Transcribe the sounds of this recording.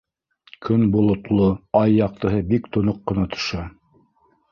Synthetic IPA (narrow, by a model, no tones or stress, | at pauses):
kʰɵnbulˠŏt̪lˠoɑjːɑq̚t̪ɤ̆ɦɤbikt̪ŏnoqːɤ̆nɑt̪ʰŏ̥ʃɑ